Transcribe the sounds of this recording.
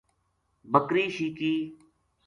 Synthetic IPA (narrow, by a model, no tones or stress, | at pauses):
bəkɾiːʃiːkiː